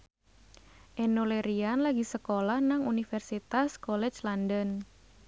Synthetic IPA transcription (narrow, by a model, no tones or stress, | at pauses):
ʔɛnoleɾianlaɡisəkolahnaŋunifɛrsit̪askɔlɛt͡ʃlandən